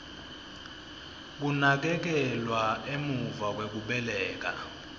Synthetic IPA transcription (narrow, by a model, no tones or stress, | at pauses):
k̬unak̬ɛk̬ɛlwaemuvak̬wek̬uɓɛlɛːk̬a̰